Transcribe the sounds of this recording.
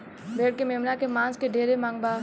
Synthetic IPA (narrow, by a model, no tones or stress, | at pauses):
bʱeːɽ̚kemeːmnakemãːnskeɖʱeːɾemãːŋɡbaː